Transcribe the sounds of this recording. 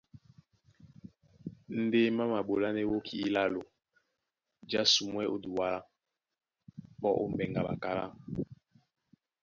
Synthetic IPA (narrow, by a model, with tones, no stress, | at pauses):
n̩˦de˦ma˦ma˨ɓo˨la˦ne˦wo˦kʰi˨i˦la˦lo˨ | d͡ʒa˦su˨mwɛ˦ʔo˦du˨wa˦la˦ | k͡pɔ˦ʔo̰˦mbɛ˨ŋɡa˨ɓa̰˨ka˦la̰˦